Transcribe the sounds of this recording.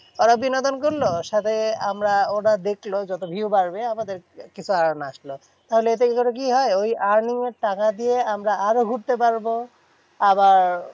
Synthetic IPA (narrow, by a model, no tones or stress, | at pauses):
oɾabinod̪onkoɾloʃat̪ʰeamɾaoʈad̪eklod͡ʑɔt̪obʱiwbaɾbeamad̪eɾkit͡ɕʰuaɾnaʃlo | t̪aɦoleet̪eit̪ʰoʈok̬iɦɔeojʔaɾniŋeɾʈakad̪ieamɾaʔaɾoɡʱuɾt̪epaɾbo | abaɾ